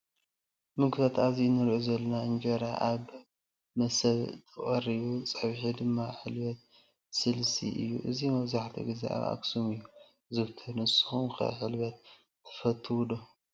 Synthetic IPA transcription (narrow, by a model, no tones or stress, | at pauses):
mɨɡbat̪azinɨɾʔuzɐlːɐnaɨnd͡ʒɐɾaʔaβ | mɐsɐβt̪ʰɨχʼɐɾiβut͡sʼɐβħid̪ɨmːaħɨlbɐt̪̚ | sɨlsḭʔɨ̰jːṵʔɨzimɐβzaħt̪ʰḭɡizḛʔa̰βa̰ksumɨjːu | zɨβt̪ʰɐnɨsɨ̥xumkʰɐ̰ħɨlbɐt̪̚ʰː | ɐ̥fɐt̪ʰːɨwd̪o